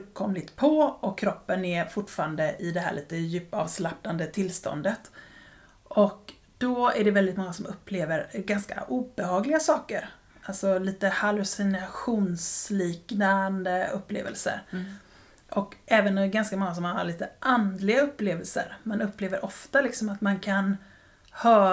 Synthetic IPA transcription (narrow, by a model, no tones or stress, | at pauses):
kʰɔmlɪt̪pʰɔɔkʰːɾɔpːənɛfʊʈfɑːɾand̪əɪd̪ɛɦæ̰ːɭiːt̪əjʉ̟ːpːɑ̰ːvslap̚nand̪ət̪ʰɪlst̪ɔ̰nd̪ət̪ | ʔɔk | d̪̥ɔæɖɛvɛld̪ɪt̪mɔŋːasɔmʔɵpʰːleːvəɾɡanska̰ʔuːbɛhɑːɡlɪɡasɑːkəɾ | ʔalt̪sɔliːt̪əhalʉsɪnaɧuːnsliːknand̪əɵpːlḛːvə̰lsə̰ɾ | ʔɔkɛːvənɡanskamɔŋːas̬ɔmhaa̰ɭiːt̪əʔand̪lɪɡaɵpːleːvəlsə̰ɾmanɵpːleːvəɾʔɔft̪alɪksɔmat̪mankʰan | hœː